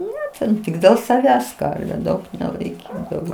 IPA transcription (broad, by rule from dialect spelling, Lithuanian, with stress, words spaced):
ˈnʲɛ tʲɛn ˈtʲɪk dʲeːlˠ sɐˈʋʲæːs ˈkɐrʲʋʲʊ ˈdɐʊk nʲɛlˠɐɪˈkʲiːdɐʋoː